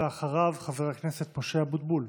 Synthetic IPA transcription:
eaχaʁavχaveʁaknese̞t̪̚poʃeabud̪̚bul

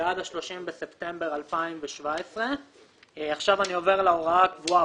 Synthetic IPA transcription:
ad̪aʃlo̞ʃimbese̞pt̪e̞mbe̞ʁalpaimveʃvaesʁe | aχʃavanio̞ve̞ʁlaoʁaakvua

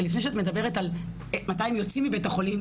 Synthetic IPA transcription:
lifne̞jʃeatme̞d̪abe̞ʁetal | matajimjo̞t͡simibejtaχo̞lim

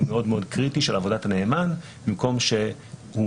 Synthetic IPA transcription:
meo̞dmeo̞d̪kʁitiʃelavo̞datane̞ːman | bimko̞mʃe̞hu

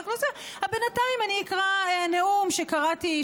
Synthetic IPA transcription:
χlozehabenataimaniikʁaeneumʃe̞kaʁati

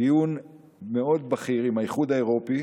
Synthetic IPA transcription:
ijun | meo̞d̚baχiʁimhajiχudaeʁo̞pi

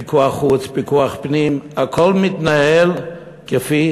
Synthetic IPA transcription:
ikuaχut͡spikuaχpnimakʰolmit̪nael | kefi

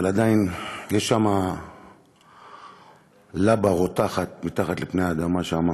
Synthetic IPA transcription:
alad̪ainjeʃːama | labaʁotaχat̪̚mit̪aχat̪lepnejaːd̪amːaʃeama

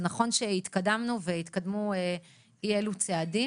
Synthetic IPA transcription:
naχo̞nʃehit̪kadamnuveit̪kad̪mue | ielut͡seadi

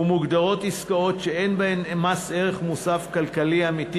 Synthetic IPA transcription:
umuɡd̪aʁo̞t̪iskao̞tʃeenbahe̞memase̞ʁe̞χmusafkalkaliamit̪i

